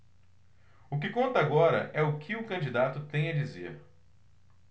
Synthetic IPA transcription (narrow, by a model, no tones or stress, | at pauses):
ʊk̬ɪkõnt̪ɐaɡɔɾɐ̰ʔɛʊkʰɪʊkɐ̃d͡ʒid̪at̪ʊt̪ẽj̃ɐd͡ʒizḛɾ